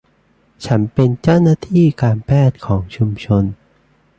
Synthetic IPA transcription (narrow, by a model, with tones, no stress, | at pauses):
t͡ɕʰa˦˥npe˧nt͡ɕa˥˩wnaː˥˩t̪ʰiː˥˩kaː˧npʰɛː˥˩t̪̚kʰɔː˩˦ŋt͡ɕʰu˧mt͡ɕʰo˧n